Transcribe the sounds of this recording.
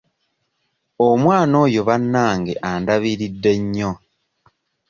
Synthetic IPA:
omwaːno̞ːjo̞βanːaːŋɡeʔandaβiɾidːe̞ɲːo̞

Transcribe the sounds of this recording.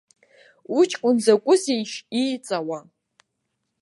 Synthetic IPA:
ut͡ʃʰʼkʷʼʊnzakʷʼʊsejʃit͡sʼawa

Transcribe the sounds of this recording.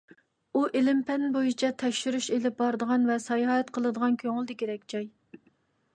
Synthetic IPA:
uʔelɪmpʰɛnbojit͡ʃʰɛt̪ʰɛkʲʃyɾyʃelɪp̚bɑɾd̪əʁɑnvɛsɑjɑɦɛt̪qʰəlˠɨd̪əʁɑnkʲʰøŋɨlˠd̪ɪkʲʰeɾɛkʲd͡ʒɑj

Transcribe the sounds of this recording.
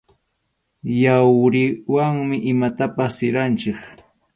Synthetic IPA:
jawɾɪwaŋmɪʔɪmat̪apasːɪɾant͡ʃɪk

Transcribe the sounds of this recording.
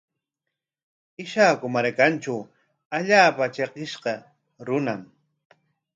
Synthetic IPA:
ɪʃaːkʊmaɾkant͡ʃaw | aʎaːpat͡ʃeqɪʃqɑ | ɾʊnam

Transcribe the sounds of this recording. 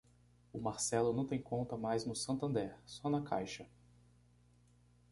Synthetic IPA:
ʊmaɾsɛlʊnɐ̃w̃t̪ẽj̃kõnt̪ɐmajznʊsɐ̃nt̪ɐ̃nd̪ɛɾsɔnɐkʰa̰jʃɐ

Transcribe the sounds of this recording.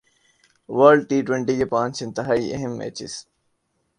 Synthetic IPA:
ʋəɾɖ̚ʈiːʈwẽɳʈikepãːnt͡ʃɪ̃nt̪ɪɦaːiːʔḛɦɪmːḛːt͡ɕɪ̰s

